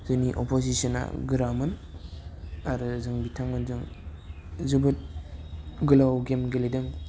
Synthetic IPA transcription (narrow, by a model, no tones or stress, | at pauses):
z̥uniʔopʰosisɔna̰ɡɯɾamɯn | aɾɯzɯŋbitʰaŋɯnzɯŋ | zubɯt̚ | ɡɯlawɡemɡeledɯŋ